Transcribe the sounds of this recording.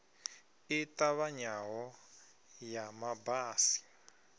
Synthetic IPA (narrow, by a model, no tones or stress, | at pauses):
itaβaɲaɦɔ | jamabaːsi̥